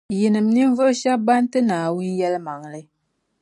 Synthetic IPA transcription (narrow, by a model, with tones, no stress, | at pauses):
ji˨nɨ˨m˦ni˦ɱ˦vɨ˦ʔʃa˦ba˦n˦tɨ˦naː˨wu˦n˦jɛ˦lma˨ŋlɨ˦